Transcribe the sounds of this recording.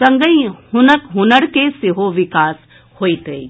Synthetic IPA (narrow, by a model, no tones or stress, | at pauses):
sɐ̃ŋɡəĩhʊnəkɦʊnəɽkesɪɦoʋɪkaːs | hoːit̪ei